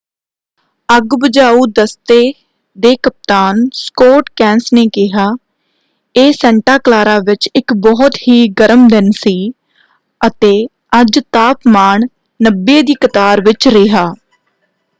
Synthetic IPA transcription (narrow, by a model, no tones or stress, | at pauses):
əɡbəd͡ʒaːuːd̪əst̪eː | d̪eːkəp̚t̪aːnskoːʈkɛ̃ːnsneːkɪɦaː | eːsɛ̃ːɳʈaːklaːɾaːʋɪt͡ʃɪkbɔːt̪hiːɡəɾəmd̪ɪnsiː | ət̪eː | əd͡ʒt̪aːpmaːɳ | nəbːeːd̪iːkət̪aːɾʋɪt͡ʃɾɪɦaː